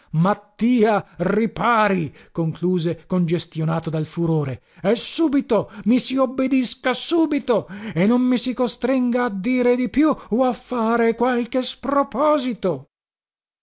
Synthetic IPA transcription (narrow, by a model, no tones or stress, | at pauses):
mat̪ːiːaripaːɾikoŋkluːzekond͡ʒest̪jonaːt̪od̪alfuɾoːɾe | ɛsuːbit̪omisiobːed̪iskasuːbit̪oenːonmisikost̪ɾiŋɡaːd̪ːiːɾed̪ipjuoafːaːɾekwalk̟espɾopɔːzit̪o